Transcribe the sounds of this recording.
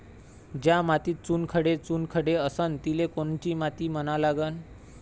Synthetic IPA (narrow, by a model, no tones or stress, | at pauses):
d͡ʑjamat̪iːt̚t͡sunkʰəɽet͡sunkʰəɽeəsənt̪ilekoɳt͡ɕiːmat̪iːmənalaɡən